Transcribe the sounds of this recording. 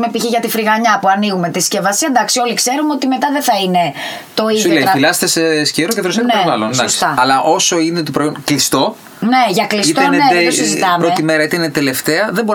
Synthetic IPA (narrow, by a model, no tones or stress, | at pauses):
mepiçiʝɐt̪ifɾiɣɐɲɐpuɐniɣumet̪isce̞vɐsiend̪ɐksio̞likse̞ɾunot̪ime̞t̪ɐðeθɐine̞ | t̪o̞isðolefilɐst̪esesceɾoceðɾosneovɐlonsd̪ɐost̪ɐɐlɐʔo̞so̞inet̪opɾoonklist̪o̞ | neʝɐklisit̪ɐonneesizit̪ɐmpɾoet̪imeɾɐit̪ɐinet̪ele̞ft̪eɐðebo̞ɾ